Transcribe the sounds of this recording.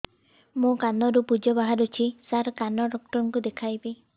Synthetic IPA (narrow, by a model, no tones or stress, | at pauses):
mũkanɔɾupud͡ʒɔbaɦaɾut͡ʃʰisaɾkanɔɖɔk̚ʈɔɾɔŋkud̪ekʰajbe